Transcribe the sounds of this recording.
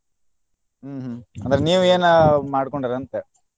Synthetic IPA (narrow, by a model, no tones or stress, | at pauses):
ɦɐ̰nd̪ɾeniːʋueːnmaːɽkoɳɖiɾɐnt̪e